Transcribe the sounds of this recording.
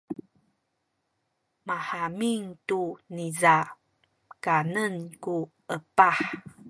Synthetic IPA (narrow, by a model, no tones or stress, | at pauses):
maħamiŋtuniza | kanənku | əpaħ